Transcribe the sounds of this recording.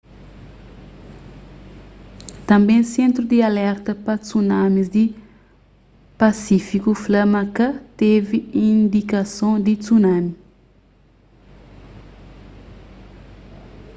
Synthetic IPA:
t̪ɐ̃mbẽj̃sẽnt̪ɾud̪ialɛɾt̪ɐpɐt͡sunãmizd̪i | pasifikuflɐmakɐt̪eviĩnd̪ikɐsõd̪it͡sunãmi

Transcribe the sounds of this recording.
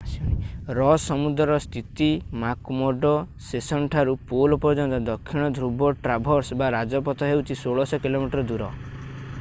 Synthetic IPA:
sɽ̃iɾɔsɔmud̪ɾɔɾɔst̪ʰit̪imakmɔɖɔ | sesɔɳʈʰaɾupolɔpɔɾd͡ʒɔnt̪ɔd̪ɔkʰːiɽ̃ɔd̪ʱɾubɔʈɾabʱɔɾsbaɾad͡ʒɔpɔt̪ɔɦewt͡ʃʰisoɭɔsɔkilomiʈɾɔd̪uɾɔ

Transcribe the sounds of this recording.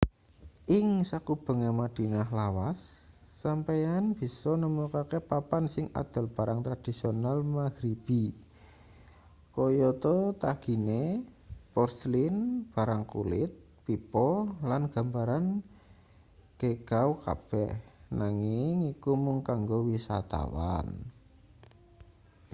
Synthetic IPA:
ʔɪŋsakub̥ə̤ŋemad̪̥i̤nahlawasː | ampejanb̥i̤sɔnəmukakepapansɪŋʔa̰d̪̥ə̤lb̥a̤ɾaŋt̪ɾad̪̥i̤sionalmaɡ̥ɾib̥i | kɔjɔt̪ɔt̪aɡ̥i̤nepɔrslinb̥a̤ɾaŋkṵlɪt̪̚ | pipɔlanɡ̥a̤mbaɾan | ɡ̥eɡ̥auka̰b̥ɛhnaŋɪŋikumʊŋkaŋɡowisa̰t̪a̰wa̰n

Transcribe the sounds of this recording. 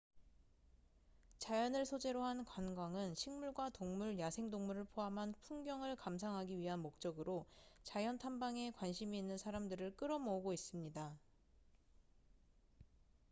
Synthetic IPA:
t͡ɕajʌnɯɭsʰod͡ʑe̞ɾoɦankwanɡwaŋɯnɕʰiŋmuɭɡwatoŋmuɭjasʰe̞ŋdoŋmuɾɯɭpʰoɦamɦanpʰuŋɡjʌŋɯɭkams̬ʰaŋɦaɡiɥiɦanmok̚t͡ɕ͈ʌɡɯɾot͡ɕajʌntʰambaŋe̞kwanɕʰimiːnːɯnsʰaɾamdɯɾɯɭk͈ɯɾʌmouɡois͈ɯmɲida

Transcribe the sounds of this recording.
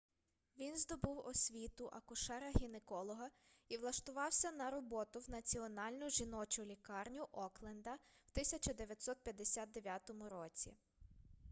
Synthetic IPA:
ʋʲinzd̪ɔbɪwɔsʲʋʲit̪ʊʔɐkʊʃɛɾɐɦʲinekɔlˠɔɦɐ | iʋlˠɐʃt̪ʊʋɑwsʲɐnɐɾɔbɔt̪ʊwnɐt͡sʲiɔnɑlʲnʊʒinɔt͡ʃʊlʲikɑrnʲʊʔɔklˠɛnd̪ɐw̥t̪ɪsʲɐt͡ʃɐd̪eʋʲjɐt̪ʲsɔt̪̚pʲjɐd̪esʲat̪̚d̪eʋʲjat̪ɔmʊɾɔt͡sʲḭ

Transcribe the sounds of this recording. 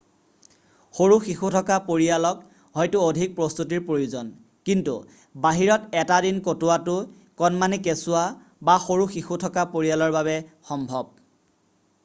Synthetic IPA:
xoɹuxixutʰɔkapoɹialɔk | ɦɔjtʊodʱik̚pɹɔst̪utiɹpɹojuzɔn | kintṵ | baɦiɹɔtɛtadinkotʊatʊ | kɔnmanikesʊwa | baxoɹuxixutʰɔkapoɹijalɔɹbaβɛxɔmbʱɔb̚

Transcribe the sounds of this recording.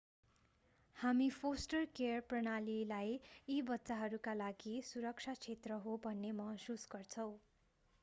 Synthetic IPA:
hamipʰosʈʌrkerprʌnalilajibʌtːsaɦʌɾukalaɡisuɾʌkt͡sʰat͡sʰet̪rʌɦobʱʌnːemʌɦsusɡʌrt͡sʰʌw̃

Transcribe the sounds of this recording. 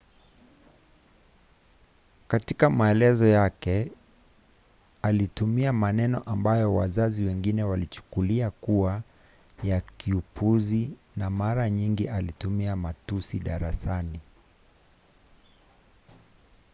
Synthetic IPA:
katikamaɛlɛzɔjakɛ | alitumiamanɛnɔ̰ʔambajɔwa̰zaziwɛŋɡinɛwalit͡ʃu̥kuliakua | jakiupʰuzi | namaɾaɲiŋɡiʔalitumiamatusiɗaɾasani

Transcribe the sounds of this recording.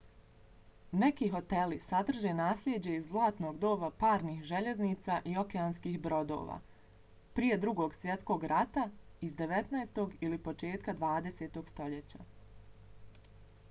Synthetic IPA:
ne̞kiːɦo̞t̪e̞lisad̪r̩ʒe̞naːslʎʲed͡ʑe̞izzlˠaːt̪no̞ːɡd̪o̞ːʋapaːɾniːxʒe̞ʎe̞zniːt̪saːʔio̞keaːnskiːxbɾo̞d̪o̰ːʋa̰ː | pɾije̞d̪ɾuɡo̞ɡsʋje̞t̪sko̞ɡɾat̪aizd̪e̞ʋe̞t̪naest̪o̞ɡilipo̞t͡ʃe̞ːt̪kad̪ʋaːd̪e̞seːt̪o̞ɡ̥st̪o̞ʎet͡ɕa̰

